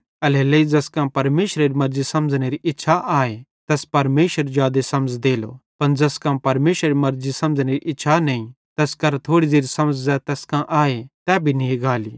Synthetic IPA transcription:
ɐleleid͡ʒɐskãpɐɾmeːʃɾeɾimɐɾd͡ʒisɐmd͡zñeɾiʔɪtːʃʰaʔaːet̪ɛspɐɾmeːʃəɾd͡ʒjaːd̪esɐmd͡zd̪eːlo̰pɐnd͡ʒɐskãpɐɾmeːʃɾeɾimɐɾzisɐ̃md͡zñeɾiʔɪtːʃʰanɐĩ | t̪ɛskɐɾt̪ʰoːɽideːɾisɐməd͡zzɛt̪ɛːskãʔaːet̪ɛbʱinĩɡaːlḭː

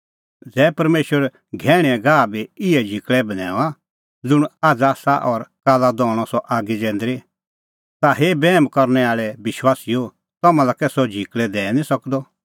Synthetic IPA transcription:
d͡zɛːpɐɾmeːʃwəɾ | ɡʱɛːɽ̃ɛɛ̃ɡaːbiɪɛd͡ʒʱikɭɛbɐnɛ̰ːa | d͡zʊɽ̃aːd͡zasaʔɔɾkaːlad̪ɔ̃ːɔsɔʔaːɡid͡zɛ̃ːnd̪ɾi | t̪aɦeːbɛːmkɔɾnɛaːɭɛbɪʃwaːsio | t̪ɐmãlakɛsɔd͡ʒʱikɭɛd̪ɛːnĩsɐkd̪ɔ

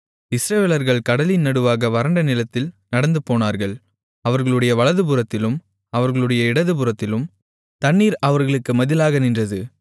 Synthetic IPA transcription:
ɪsɾɐʋeːlɐɾɣɐɭkɐɽɐlinɐɽɯʋaːɣɐʋɐɾɐɳɖɐnɪlɐt̪ːɪlnɐɽɐnd̪ɯpoːnaːɾɣɐɭ | ɐʋɐɾɣɐɭɯɽɐjɐʋɐɭɐðɯbɯɾɐt̪ːɪlɯm | ɐʋɐɾɣɐɭɯɽɐjɐɪɽɐðɯpɯɾɐt̪ːɪlɯm | t̪ɐɳːiːɾɐʋɐɾɣɐɭɯkːɯmɐðɪlaːɣɐnɪndrɐðɯ

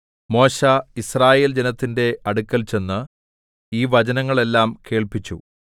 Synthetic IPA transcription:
mo̞ːɕaisraːje̞ːld͡ʑenɐt̪ːinde̞ɐɽukːɐlt͡ɕe̞nːɨ | iːʋɐd͡ʑɐnɐŋːɐɭe̞lːaːmke̞ːɭpit͡ɕːṵ

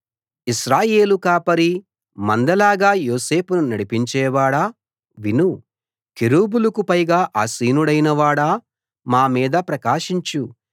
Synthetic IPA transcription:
iʃɾaːje̞ːlukaːpɐɾi | mɐnd̪ɐlaːɡaːjo̞ːse̞ːpununɐɽipiɲt͡ʃɛːʋaːɽaː | ʋinu | kiɾuːbulɐkupɐjɡaːʔaːsiːnuɽɐjnɐʋaːɽaː | maːmiːd̪ɐpɾɐkaːʃiɲt͡ʃu

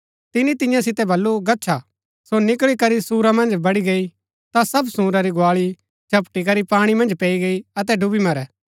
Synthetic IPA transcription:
t̪ɪnit̪ɪ̃jãsɪt̪ɛbɐlːuɡɐtːt͡ʃʰa | sonɪkɭikɐɾisuːɾamɐ̃nd͡ʒbɐɽiɡɐi | t̪asɐbsũːɾaɾiɡʊaːɭi | t͡ʃʰɐpʈik̬ɐɾipaːɽ̃imɐ̃nd͡ʒpɛːiɡɐiɐt̪ɛɖʱʊbimɐɾɛː

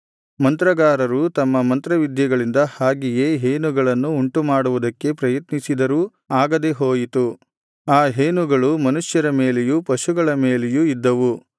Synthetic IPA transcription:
mɐnt̪ɾɐɡaːɾɐɾut̪ɐmːɐmɐnt̪ɾɐʋid̪jɐɡɐɭind̪ɐhaːɡijeːɦeːnuɡɐɭɐnːuːɳʈumaːɽuʋud̪ɐkːe̞pɾɐjɐt̪nisid̪ɐɾu | aːɡɐd̪eɦoːjit̪u | aːɦeːnuɡɐɭumɐnuʂjɐɾɐme̞ːlejupɐʃuɡɐɭɐmeːlejuid̪ːɐʋu

